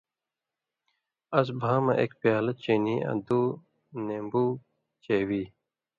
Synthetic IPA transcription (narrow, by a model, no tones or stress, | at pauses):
ɐs̬bʱaːmɐ̰ʔḛkpjaːlɐt͡ɕiniːɐ̰d̪uː | neːmbuː | t͡ɕeːwiː